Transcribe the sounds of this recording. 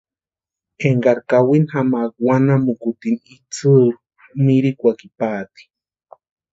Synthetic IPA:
eŋɡaɾkawinhamakwanamukut̪init͡sʰɨ | miɾikʷakipaːt̪i̥

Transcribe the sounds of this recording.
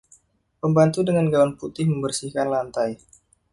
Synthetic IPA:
pəmbant̪udəŋanɡawanput̪ɪhməmbərsihkanlant̪aj

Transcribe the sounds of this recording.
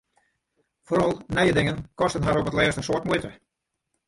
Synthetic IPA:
foɾɔlˠnɛjədɪŋənkɔstənɦaɾɔpətlɛːstəsoətmuətə

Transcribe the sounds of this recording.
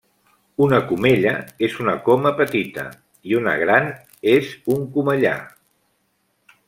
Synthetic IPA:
unəkumeʎəezunəkoməpət̪it̪ə̰ | iunə̰ɣɾan | ezuŋkuməʎa̰

